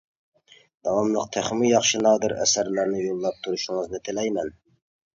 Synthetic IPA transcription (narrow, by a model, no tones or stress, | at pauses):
d̪̥ɑwɑmlˠəq̚t̪ʰæχmɪjɑχʃɨnɑːd̪ɪɾæ̰sæɾlæɾnɪjolˠːɑp̚t̪ʰuɾuʃɪŋɨznɪt̪ʰɪlɛjmɛn